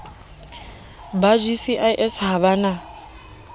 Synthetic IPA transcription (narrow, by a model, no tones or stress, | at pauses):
bad͡ʒisiʔajʔɛsɦaβana